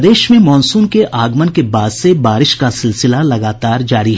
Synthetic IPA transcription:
d̪eːʃmẽmɔːnsuːnkeʔaːɡmənkebaːd̪sebaːɾɪʃkasɪlsɪlalɐɡaːt̪aːɾd͡ʒaːɾiɦɛ

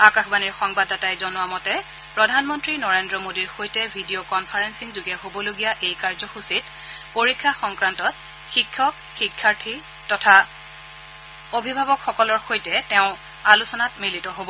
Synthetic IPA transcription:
akaxbaniɹxɔŋbadːatajzɔnʊwamɔtɛ | pɹɔdʱanmɔntɹinɔɹendɹɔmodiɹxojtɛbʱidiokɔnpʰaɹensiŋzuɡɛɦobɔloɡijaʔejkaɹzɔxusit | poɹikʰːaxɔŋkɹantɔt̚ | xikʰːɔk | xikʰːaɹtʰi | tɔtʰa | obʱibʱabɔkxɔkɔlɔɹxojtɛtɛʊ̃ | alusɔnatmilitɔɦobɔ

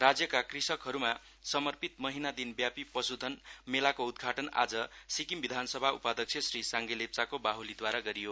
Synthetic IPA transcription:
rad͡zjʌkakrisʌkɦʌɾuma | sʌmʌrpit̪̚mʌɦinad̪inbjapipʌsud̪ʱʌnmelakoud̪ɡʱaʈʌna̰d͡zʌsikimbid̪ʱansʌbʱaupad̪ʌk̚t͡sʰjesrisaŋɡelep̚t͡sakobaɦulid̪waɾaɡʌɾijo

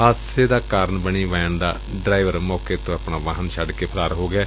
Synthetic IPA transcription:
aːseːd̪aːkaːɾənbəɳiːʋaːənd̪a̰ː | ɖɾaːɪʋəɾmɔːkeːt̪õːapɳaːʋaːɦənʃʰəɖkeːpʰəlaːɾɦoːɡɛː

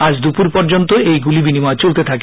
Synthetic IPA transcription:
ad͡ʑd̪upuɾpɔɾd͡ʑont̪oejɡulibinimaet͡ɕolt̪et̪ʰake

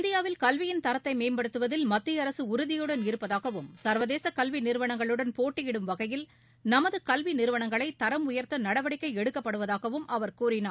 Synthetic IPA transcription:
ɪnd̪ɪjaːʋɪlkɐlʋɪjɪnt̪ɐɾɐt̪ːɐɪmeːmbɐɽɯt̪ːɯʋɐðɪlmɐt̪ːɪjɐɾɐsɯʊɾɯðɪjɯɽɐnɪɾɯpːɐðaːɣɐʋɯmsɐɾʋɐðeːsɐkɐlʋinɪɾɯʋɐɳɐŋɡɐɭɯɽɐnpoːʈːɪjɪɽɯmʋɐɣɐjɪl | nɐmɐðɯkɐlʋinɪɾɯʋɐɳɐŋɡɐɭɐɪt̪ɐɾɐmʊjɐɾt̪ɐnɐɽɐʋɐɽɪkːɐɪɛɽɯkːɐpːɐɽɯʋɐðaːɣɐʋɯmɐʋɐɾkuːɾɪnaː

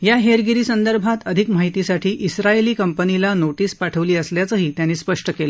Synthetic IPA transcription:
jaɦeɾɡiɾiːsənd̪əɾbʱat̪əd̪ʱikmaɦit̪isaʈʰiːʔisɾaeliːkəmpənilanoʈiːspaʈʰəʋliːəsljat͡səɦiːt̪janiːspəʂʈəkelə

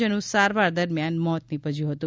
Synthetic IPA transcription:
ənũsaɾʋaɾd̪əɾmjanmɔt̪nipəd͡ʒjũɦət̪ũ

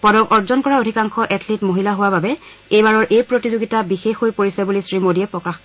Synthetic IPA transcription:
pɔdɔkɔɹzɔnkɔɹaodʱikaŋxɔʔɛtʰlitmoɦilaɦʊwababɛ | ejbaɹɔɹʔejpɹotizoɡitabixexojpoɹisajbolisɹimodiɛpɹɔkax

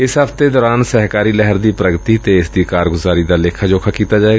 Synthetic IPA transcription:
ɪsɦəpt̪ed̪ɔːɾaːnsəɦkaːɾilɛɦəɾd̪iːpɾəɡt̪it̪eɪsd̪ikaːɾɡʊzaːɾid̪aleːkʰad͡ʒoːkʰakiːt̪ad͡ʒaːeːɡaː

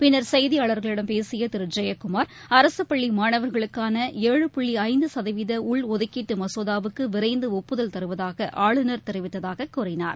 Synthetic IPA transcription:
pɪnːɐɾsɐɪðiaːɭɐɾɣɐɭɪɽɐmpeːsɪjɐt̪ɪɾɯd͡ʒɐjɐkːʊmaːɾ | ɐɾɐsɯpːɐɭːimaːɳɐʋɐɾɣɐɭɯkːaːnɐeːɻɯpʊɭːiɐɪnd̪ɯsɐðɐɪʋɪðɐʊɭɔðɪkːɪʈːɯmɐsoːðaːʋɯkːɯʋɪɾɐɪnd̪ɯɔpːɯðɐlt̪ɐɾɯʋɐðaːɣɐʔaːɭɯnɐɾt̪ɛɾɪʋɪt̪ːɐðaːɣɐkːʊrɪna̰ːɾ

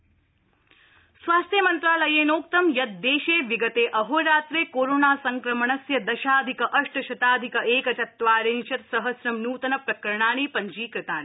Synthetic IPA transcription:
sʋaːst̪ʰjɐmɐnt̪ɾaːlɐjeːnoːk̚t̪ɐmjɐt̪̚d̪eːʃeːʋiɡɐt̪eːʔɐɦoɾaːt̪ɾeːkoːɾoːnaːsɐŋkɾɐmɐɳɐsjɐd̪ɐʃaːd̪ʱikɐʔɐʂʈɐʃɐt̪aːd̪ʱikɐeːkɐt͡ʃɐt̪ːʋaːɾeːnʃɐt̪sɐɦɐsɾɐmnuːt̪ɐnɐpɾɐkɾɐɳaːɳ̃iːpɐɲd͡ʒiːkɾɪt̪aːni

